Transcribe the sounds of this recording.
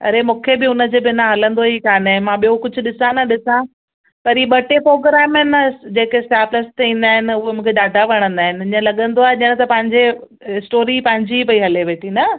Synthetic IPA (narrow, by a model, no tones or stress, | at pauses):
ɐ̰ɾemũːkʰebɪʊnə̆d͡ʑeːbɪnãɦɐlə̃nd̪oɦikaːnɐ̃mãɓijokʊd͡ʑʱʊ̆ɗɪsãnɐɗɪsã | pɐɾiːɓɐʈepɾoːɡɾɛːmɪnɐd͡ʑeːkesʈaːpləst̪eĩːn̆d̪aːɦɪnɪ̆ʊɦemũːkʰeɗaːɖʱaʋɐɽ̃ə̃nd̪aːɦɪnɪɪɲə̃lɐɠə̃nd̪oaːɦeʄɪə̃ɽ̃t̪ɐpɐ̃ɦɪ̃ɲd͡ʑe | ɪsʈoːɾipɐ̃ɦɪ̃ɲd͡ʑipɐiɦɐleʋeːʈʰinɐ